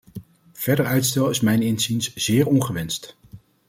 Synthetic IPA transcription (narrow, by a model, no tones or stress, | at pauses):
v̥ɛɹdəɹœɥtstɛlˠɪsmɛjnɪnzinsz̥ɪːɹɔnχəʋɛnst